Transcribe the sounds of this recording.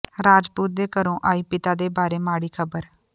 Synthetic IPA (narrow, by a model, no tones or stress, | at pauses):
ɾaːd͡ʒpuːt̪̚d̪eːkəɾõːʔaːiːpɪt̪aːd̪eːbaːɾeːmaːɽiːkʰəbəɾ